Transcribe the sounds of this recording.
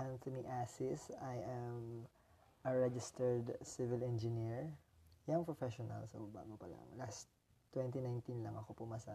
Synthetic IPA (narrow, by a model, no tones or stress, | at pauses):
ʔãnt̪ɔniʔasɪsajʔɛm | ʔɐɹɛd͡ʒɪst̪ɛɹd̪sɪvɪlɛnd͡ʒɪniɹjaŋpɹofɛʃɔnɐ̰lso̰ba̰ːɡɐpɐla̰ŋlas | t̪wɛnt̪inajnt̪inlɐŋʔɐkopʊmasa